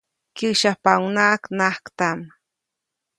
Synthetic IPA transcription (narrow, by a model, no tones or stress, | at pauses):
kiʃapawnaknahkt̪am